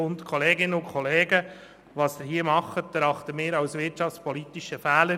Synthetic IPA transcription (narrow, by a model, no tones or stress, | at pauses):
ʊnt̪kʰɔleːɡɪnəʊnkʰɔleːɡə | ʋɑːsd̪ɪhiəmɑχːət̚d̥̪əɾɑχt̪əmɪːɾɑwsʋɪɾtt͡ʃɑft͡spɔlit̪iʃəfæːlə